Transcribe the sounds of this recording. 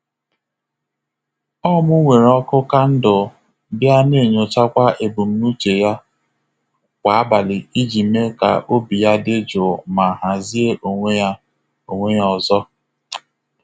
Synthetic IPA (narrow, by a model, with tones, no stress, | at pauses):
ɔ˦mʊ˦ŋʷe˨ɾɔ˦kʊ˦ka˦n̩˦dʊ˨ | bɪ˦a˦ne˦˨ɲo˨t͡ʃa˦kʷa˦ʔe˨bu˨m̩˦nu˦t͡ʃe˨ja˦ | kʷa˨˦a˦ba˨lɪ˨i˦d͡ʒi˨me˦ka̰˨ʔo˦bi˨ja˦dɪ˦d͡ʒʊ˨ma˨ɦa˨zi˦e˦ʔo˨ŋʷe˦ja˦ | o˨ŋʷe˦ɲ˦ɔ˨zɔ˦